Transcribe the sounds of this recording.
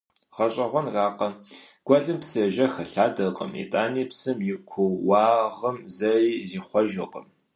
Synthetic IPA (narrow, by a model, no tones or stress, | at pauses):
ʁɐɕʼɐʁʷɔnraːqɐɡ̥ʷɔɮɨmpsɐʒɐxɐɬaːdɐqʼə̰mḭtʼaːniːpsɨmjɪkʷʰʊwwɑːʁəmzɐiːziːχʷɔʒɐqʼəm